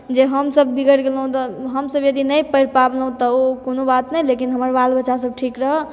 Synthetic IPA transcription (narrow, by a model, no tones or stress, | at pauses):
d͡ʒeɦəmsəbːiɡəɾɡelɦũt̪ɔɦəmsəbjəd̪inəjpəɾpablɦũt̪ɔokonobat̪nəjlekinɦəməɾbalbəːʃasəb̚ʈʰikɾəɦə